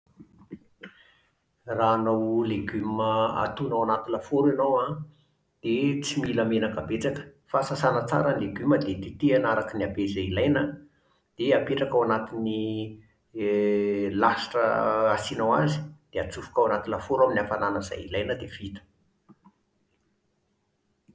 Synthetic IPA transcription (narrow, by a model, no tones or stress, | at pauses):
raːnawleɡyməa̰t̪unawanat̪inlafoɾanowa | d̪̥et͡similəmenakabet͡sakə̥fasasanət͡sa̰ɾənileɡyməd̪ed̪et̪ianaɾakəniabezailajnə | d̪̥eapeʈ͡ʂakawanat̪ini | lasi̥ʈ͡ʂə̰asinawazi̥d̪̥eat͡sufu̥kawanat̪inlafoɾaminafananəza̰jḭlajnəd̪ev̥it̪ə̥